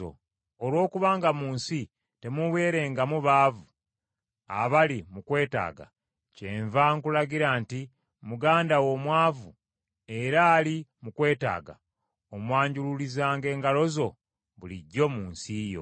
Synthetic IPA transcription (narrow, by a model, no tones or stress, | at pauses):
o̰ | olwo̞ːkuβaːŋɡamuːnsi | te̞muβe̞ːɾe̞ːŋɡamuβaːvu | a̰βalimukwe̞ːta̰ːɡa̰ | ceːɱvaŋkulaɡiɾaːnti | muɡaːndawo̞mwaːvu | e̞ɾaːlimukwe̞ːta̰ːɡa̰ | omwaːɲɟululizaːŋɡe̞ːŋɡalo̞zo̞ | βuliɟːo̞muːnsijo̞̰